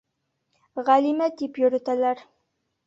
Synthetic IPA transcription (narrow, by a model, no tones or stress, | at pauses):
ʁælimæd̪ipjɵ̆ɾɘ̆t̪ælæɾ